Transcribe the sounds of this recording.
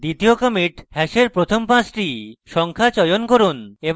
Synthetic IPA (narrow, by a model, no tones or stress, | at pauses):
d̪it̪iokomiʈhɛʃeɾpɾot̪ʰompãsʈiʃɔŋkʰat͡ɕɔjonkoɾune